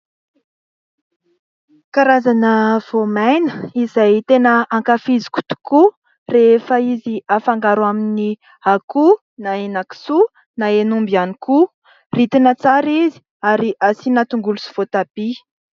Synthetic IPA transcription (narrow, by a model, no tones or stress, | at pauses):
kaɾazanəv̥omajnəizajt̪enəːŋkafizi̥ku̥t̪u̥ku | refəiziafaŋɡaɾwamini | aku | naenaki̥su | naenumbianiku | rit̪inət͡saɾizi̥ | aɾiʔasinat̪uŋɡulusi̥v̥ot̪abi